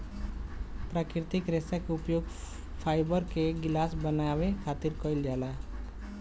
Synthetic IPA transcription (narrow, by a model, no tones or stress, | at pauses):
pɾakiɾt̪ikɾesakeupjoɡ | pʰajbəɾkeɡilasbənabekʰat̪iɾkʌjld͡ʒala